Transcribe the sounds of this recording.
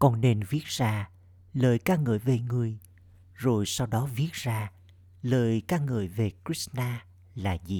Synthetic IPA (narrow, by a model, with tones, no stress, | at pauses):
kɔ˧nne˧nvi˦˥ət̚z̥aː˧ | ləː˨˩jkaː˧k̚ŋɨː˧˩jve˨˩ŋɨ˨˩əj | zo˨˩jsa˧wɗɔ˨˦vi˦˥ət̚z̥aː˧ | ləː˨˩jkaː˧˥ŋɨ̰ː˧˨˩əjve˨˩kɹi˦˥snaː˧ | laː˨˩zi˨˩